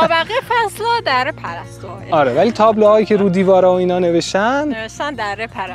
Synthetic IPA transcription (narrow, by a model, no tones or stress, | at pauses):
bæɣijefæslɒd̪æɾepʰæɾæst̪oɒːɾeːvæliːt̪ʰɒːblohɒːjiːcʲʰeɾuːd̪iːvɒːɾɒːoiːnɒːne̞ve̞ʃt̪æneʃt̪ænd̪æɾepʰæɾæs